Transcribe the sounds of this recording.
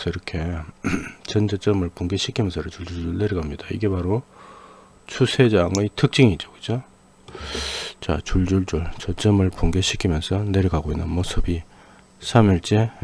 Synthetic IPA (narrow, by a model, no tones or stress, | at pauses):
sʌiɾʌkʰe̞ | t͡ɕʌnd͡ʑʌt͡ɕ͈ʌmɯɭpuŋɡeɕʰikʰimjʌnsʰʌɾt͡ɕuɭd͡ʑuɭd͡ʑuɭneɾiɡamɲidaḭɡe̞paɾo | t͡ɕʰusʰe̞d͡ʑaŋɯtʰɯk̚t͡ɕ͈iŋit͡ɕokɯ̥d͡ʑo | t͡ɕa̰t͡ɕuɭd͡ʑuɭd͡ʑuɭt͡ɕʌt͡ɕ͈ʌmɯɭpuŋɡeɕʰi̥kʰimjʌnsʰʌne̞ɾiɡaɡoinːɯnmosʰɯbi | sʰamiɭt͡ɕ͈e